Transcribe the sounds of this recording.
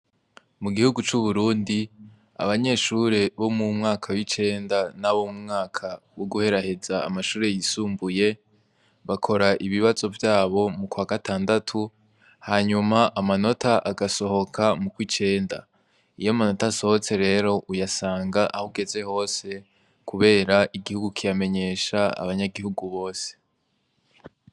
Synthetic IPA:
muɡihuɡut͡ʃuβuɾuːndi | a̰βaɲe̞ːʃuːɾe̞βo̞mumŋaːkʰawit͡ʃe̞ːndanaβo̞mumŋaːkʰawoɡuhe̞ɾahe̞za̰ːmaʃuːɾe̞jisuːmbuje̞ | βakʰo̞ɾaʔiβiβazo̞vjaːβo̞mukwaːɡataːndatʰu | haɲumaʔamano̞tʰaʔaɡaso̞ho̞kʰamukwit͡ʃe̞ːnda̰ | ijomano̞taso̞hot͡se̞ɾe̞ːɾo̞ʔujasaːŋɡaʔahoɡe̞ze̞ho̞ːse̞ | kuβe̞ːɾaʔiɡihuɡukʰijame̞ɲe̞ːʃaa̰βaɲaɡihuɡuβo̞ːse̥

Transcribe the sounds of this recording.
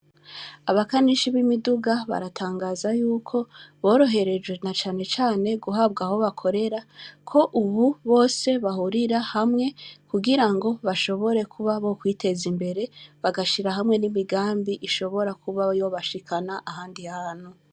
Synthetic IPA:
aβakaniʃiβimiduɡaβa̰ɾatʰaːŋɡaːzajuːkʰo̞βo̞ːɾo̞ɦe̞ɾe̞d͡ʒɡwe̞nat͡ʃaːne̞t͡ʃaːne̞ɡuɦab̚ɡaho̞βakʰo̞ɾe̞ɾakʰo̞ʔuβuβo̞ːse̞βahuɾiɾahamŋe̞kuɡiɾaŋɡo̞βaʃo̞βo̞ɾe̞kʰuβaβo̞kwiːte̞zimbe̞ɾe̞βaɡaʃiɾaɦamŋe̞nimiɡaːmbiʔiʃo̞βo̞ɾakʰuβajo̞βaʃikʰanaʔahaːndihaːn̥hu

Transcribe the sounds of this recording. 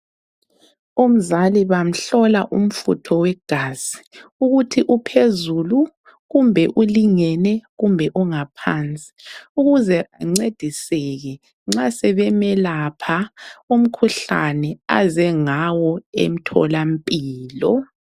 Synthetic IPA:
um̩zaliβam̩ɬɔlaʔum̩fṵtʰɔwɛɡ̥ʱaz̥i̥uɣutʰiʔupʰezulu | ɣumbʱɛʔuliŋɛnɛɣumbʱɛʔuŋapʰant͡sʼi̥uɣuzɛaŋ͡ǀed̥ʱisɛɣɛ | ŋ͡ǁasɛβɛmɛlapʰaum̩kʰuɬa̰nɛa̰zɛŋawɔḛm̩tʰɔ̰lampʼiːlɔ

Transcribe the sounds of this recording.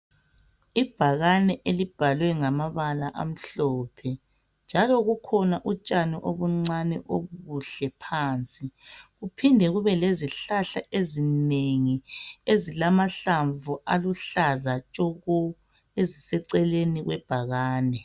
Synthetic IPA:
ib̥ʱaɣanɛʔelib̥ʱalwɛŋamaβalaʔa̰m̩ɬɔpʰɛ | nd͡ʒʱalɔɣukʰɔnaʔut͡ʃʼaniʔoβuŋ͡ǀanɛʔoβɣuɬɛpʰaːnt͡sʼiɣupʰindʱɛɣuβɛleziɬaɬaʔezineŋiezilamaɬaɱvuʔaluɬazat͡ʃʼɔɣɔ | ezisɛǀɛleniɣwɛb̥ʱaɣaːnɛ

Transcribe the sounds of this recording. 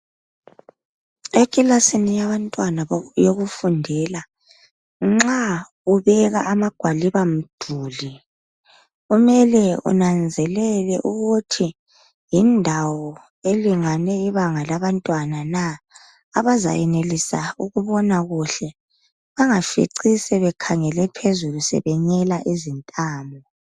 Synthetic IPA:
ekʼilasinijaβantʼwanajoɣufundʱɛla | ŋ͡ǁa | uβɛɣa̰ʔːmaɡ̥ʱwaliβam̩d̥ʱuːli | ɣumɛlɛṵnand͡zʱɛlɛlɛʔuɣutʰi | jindʱawɔ | eliŋanɛiβaŋalaβantʼwanana | aβaza̰jɛnelisauɣuβɔnaɣuɬɛ | βaŋafḭǀisɛβɛkʰaŋɛlɛpʰezulusɛ̰βɛɲɛlaʔizintʼaːmbʱɔ

